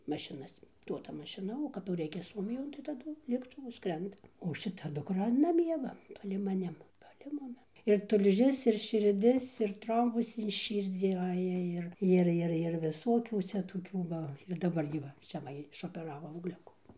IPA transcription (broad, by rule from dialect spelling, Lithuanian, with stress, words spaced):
mɐʃʲɪˈnɐs ˈduɔdɐ mɐʃʲɪˈnɐ oː kɐp jɛʊ ˈrʲɛɪkʲɛ ˈsuɔmʲɪjoːn tɐɪ tɐˈdʊ lʲeːktʊˈʋʊ ˈskrʲɛndɐ oː ʃʲɪˈtɐ dʊkˈrɐ nɐˈmʲiɛ ʋɐ pɐlʲɛɪ mɐˈnʲɪm pɐlʲɛɪ ˈmʊmʲɪ ɪr tʊlʲˈʒʲɪs ɪr ʃʲɪrʲˈdʲɪs ɪr ˈtroːmbʊs ɪn ˈʃʲiːrʲd͡zʲiː ˈɑːjɛ ɪr ˈɪr ˈɪr ˈɪr ʋʲɪˈsoːkʲuː ˈt͡sʲɛ toːˈkʲuː ʋɐ ɪr dɐˈbɐr ɡʲɪ ˈʋɐ ˈt͡sʲɛ ʋɐ ɪʃoːpʲɛˈrɑːʋoː ɐʊɡˈlʲʊkuː